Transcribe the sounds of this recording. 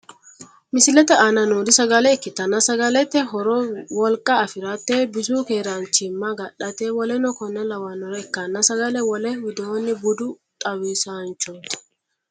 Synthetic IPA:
mɪsɪlɛt̪ɛʔaːnɐnuːdɪsɐɡɐlɛɛkːɪt̪ːɐnːɐsɐɡɐlɛt̪ːɛɦɔɾɔwɔlkʼɐːfɪɾɐt̪ːebɪzuːkeːɾɐnt͡ʃːɪmːɐɡɐɗɐt̪ewɔlɛnɔkɔnːɛlɐwɐnɔɾɛɛkːɐnːɐsɐɡɐlɛwɔlɛwɪd̪oːnːɪbʊd̪ʊ | t̪ʼɐwisant͡ʃːɔnt̪

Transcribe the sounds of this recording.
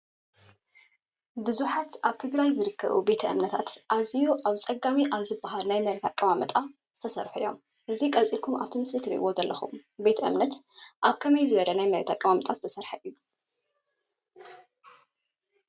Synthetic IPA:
bɨzuħat̪ʔaβt̪ʰɨɡɾajzɨɾɨkʰːɐ̰βṵbe̞t̪ʰɐʔɨmnɐt̪ʰat̪ʔazijuʔaβsʼɐɡamiʔaβzɨbaɦalnajmɐɾet̪ʰakʼːɐmamɐt̪ʼa | z̥ɨt̪ʰɐsɐɾħuɨjːo̞mʔɨzikʼɐt͡sʼikʰumʔa̰βt̪ʰimɨslit̪ʰɨɾḭʔβozɐlːɐxṵmbe̞t̪ʰɐʔɨ̰mnɐt̪ʔaβkʰɐmɐjzɨβɐd̪ɐnajmɐɾet̪ʰakʼːɐmamɐt̪ʼaz̥ɨt̪ʰɐsɐɾħaʔɨjːu

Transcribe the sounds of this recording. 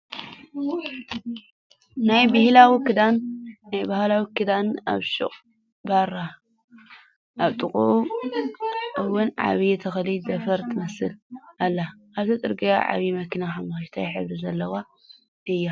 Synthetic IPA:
najbɨhlawikʰɨd̪anːajbahlawikʰɨd̪ana̰βʃṵχʼ | baɾa | ʔaβt̪ʼɨkʼuʔu | ʔɨwʊnʕa̰βiɛt̪ʰɐxɐlidɐfɐɾt̪ʰɨmɐsɨlʔalːaʔːβt̪ʰɐt̪ʼɨɾɡɐjaʕa̰βimɐkʰinaxamaxʃt̪ʰajħɨβɾizɐlːɐwa | ʔɨjːa

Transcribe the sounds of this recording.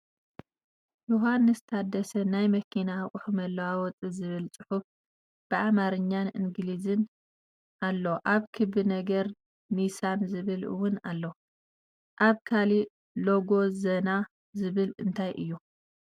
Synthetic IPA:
joɦanːɨst̪ʰad̪ɐsɐnajmɐkʰinaχʼʊħɨmɐlːɐwawɔt͡sʼɨzɨβɨlt͡sʼɨħuf | b̥ɨʕamaɾɨɲːanʔɨ̰ŋɡlizɨn | ʔalːoʔaβkʰɨbɨnɐɡɐɾ | nisanzɨβɨlɨ̰wʊnalːo | ʔaβkʰali | lo̞ɡo̞zɐna | zɨβɨlɨnt̪ʰajʔɨ̰jːu

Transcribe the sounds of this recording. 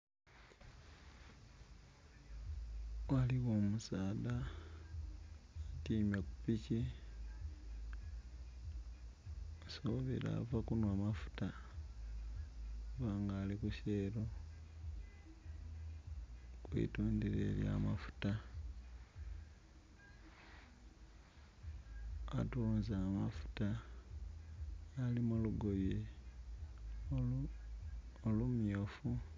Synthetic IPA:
waliɣoːmusaːda | tiːmjaku̥pici | osoβḭla̰vakunwaːmafu̥ta | uvaːŋɡaːlikuseɾo | kwḭtuːndiɾe̞̰lja̰mafu̥ta | a̰tuːnzamafu̥ta | limuluɡo̞je | olumjo̞ːfu

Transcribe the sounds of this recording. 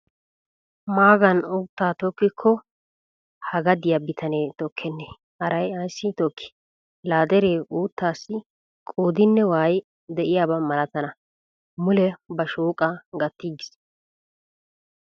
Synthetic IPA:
maːɡɐnuːt̪ːaːt̪ɔkːɪkʰːɔ | hɐɡɐd̪ɪjɐbɪt̪ʰɐneːt̪ɔkʰːɛnːeː | hɐɾɐjɐjsːɪt̪ɔkːɪ̥ | laːd̪ɛɾeːʔuːt̪ːaːsːɪ | kʼoːd̪ɪnːɛwaːj | d̪ɛʔɪjaːbɐmɐlɐt̪ɐnɐ | mʊlɛbɐʃuːkʼɐɡɐt̪ːiːɡɪs

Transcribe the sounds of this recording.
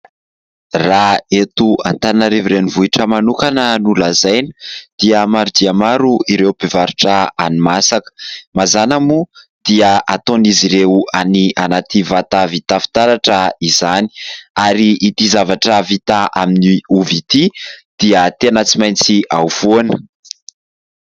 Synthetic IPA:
raet̪ua̰nt̪anaɾeviɾenivuiʈ͡ʂəmanukanənulazajni̥d̪̥iəmaɾud̪iamaɾuiɾeubevaɾuʈ͡ʂəa̰nimasakə̥mazanamu | d̪̥iəʔat̪oniziɾewaniʔanat̪ivat̪avit̪afi̥t̪aɾaʈ͡ʂəizani̥aɾiʔːt̪izavaʈ͡ʂəvit̪aʔaminiuvit̪id̪̥iət̪eanat͡simajnt͡siʔa̰uv̥uanə̥

